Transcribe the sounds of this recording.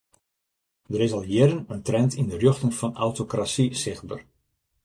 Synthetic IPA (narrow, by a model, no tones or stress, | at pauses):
dəɾɪsɑlˠjɪɾənəntrɛntʰindərjøxtənfɔnawtokrasisɪxbə̰r